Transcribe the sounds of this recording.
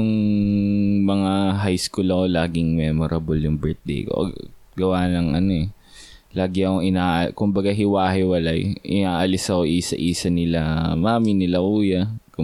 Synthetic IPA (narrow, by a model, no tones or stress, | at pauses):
jʊŋ | mɐŋaɦajskulɐko̞laːɡɪŋmɛːmoɾʔɐbʊljʊŋbɛɹt̪̚d̪ḛjko̰ʔɐ̰ɡ | ɡɐwaːlɐŋʔɐ̰no̞ɛ | laːɡɪɐkoɪnaːʔkʊmbɐɡaɦɪwaːɦɪwɐlajʔɪ̰naːʔɐlɪsɐko̞ʔiːsɐ̰ʔiːsɐnɪlamaːmɪnɪlɐʔuːjɐkʊ